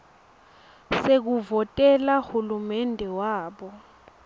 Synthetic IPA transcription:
sek̬uvɔtʼɛlahulumɛndʱɛwaːɓɔ

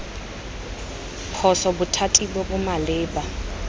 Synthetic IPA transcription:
pʰɔsɔbʊtʰatʼibɔbʊmalɪːba

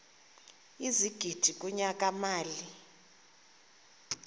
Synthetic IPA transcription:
iziɡ̥ʱid̥ʱikʼuɲak̬ʼamaːli

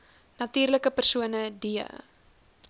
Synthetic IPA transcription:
nɐtyːrləkəpərsuənədiə̰

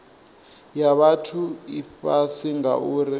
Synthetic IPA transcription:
jaɓatʰuifasiŋa̰ʔuɾi

